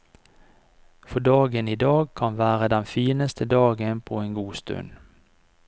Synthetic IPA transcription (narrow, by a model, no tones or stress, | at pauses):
fɔɖɑːɡəniːd̪ɑːɡkʰɑnʋæːʁəd̪ɛnfiːnəst̪ʰəd̪ɑːɡənpʰoːeːŋɡuːst̪ʉ̰n